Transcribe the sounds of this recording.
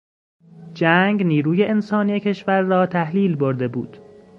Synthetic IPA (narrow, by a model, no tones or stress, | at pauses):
d͡ʒæːŋɡniːɾuːje̞ʔensɒːniːjecʰe̞ʃvæɾːɒːt̪ʰæhliːlboɾd̪e̞bṵːd̪̥